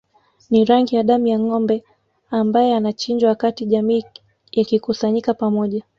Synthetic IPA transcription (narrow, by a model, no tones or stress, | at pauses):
niɾaŋɡijaɗamujaŋɔmbɛ | ambajɛanat͡ʃiɲd͡ʒwawakatiʄamiː | jakikusaɲikapamɔʄa